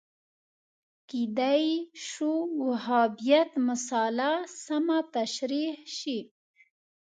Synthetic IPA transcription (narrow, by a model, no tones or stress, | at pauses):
kid̪ajʃuwahɑbijat̪mʊsɑlasamat̪aʃɾihʃi